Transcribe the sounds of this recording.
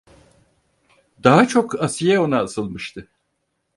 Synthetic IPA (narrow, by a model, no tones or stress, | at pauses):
d̪aɦat͡ʃʰo̞kʰasijɛo̞naːsɯlˠmɯʃt̪ʰɯ